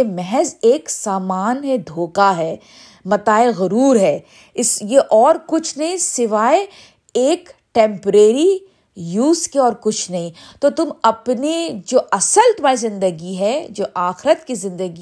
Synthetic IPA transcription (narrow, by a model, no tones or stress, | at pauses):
emɛɦɛzeːksaːmaːnɦɛd̪ʱoːkaɦɛː | mɐt̪aːeɣɐɾuːɾɦɛː | ɪsjeʔɔːɾkʊt͡ʃʰnɐɦĩsɪʋaːe | eːkʈɛ̃ːmpɾeːɾi | juːzkeɔːɾkʊt͡ʃʰnɐɦĩt̪ot̪ʊmɐpned͡ʒoːʔɐsəlt̪ʊmaːɾizɪ̃nd̪əɡiɦɛd͡ʒoːʔaːxɪɾət̪kizɪ̃nd̪əɡi